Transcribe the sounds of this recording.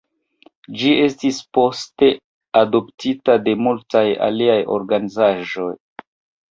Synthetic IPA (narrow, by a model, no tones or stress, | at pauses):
d͡ʒie̞stispo̞ste̞ | ado̞ptitade̞multaja̰liajo̞̰ɾɡanizaʒo̞j